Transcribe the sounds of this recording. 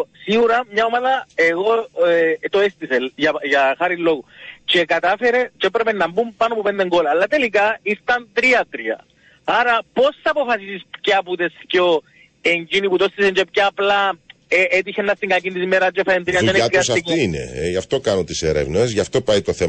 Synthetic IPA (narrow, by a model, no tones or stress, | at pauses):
siɣuɾɐmɲɐomaðɐeɣo̞ | t̪oest̪iselʝɐʝɐxɐɾilo̞ɣut͡ʃe̞kɐt̪ɐfeɾet͡ʃeepɾepenːɐmbumpɐnopopend̪e̞ŋɡolɐːlːɐt̪e̞likɐist̪ɐnt̪ɾiɐt̪ɾiɐ̰ | ɐɾɐpo̞sθɐːpo̞fɐsisispcɐput̪esco | eɲd͡ʒiniput̪ost̪iseɲd͡ʒepcɐːplɐ | eet̪içenːɐst̪iŋɡɐcind̪isimeɾɐd͡ʒefɐent̪ɾiɐent̪ɾiɐssɐikiinḛeʝɐft̪o̞kɐnot̪iseɾḛvnezʝɐft̪o̞pɐjt̪oθe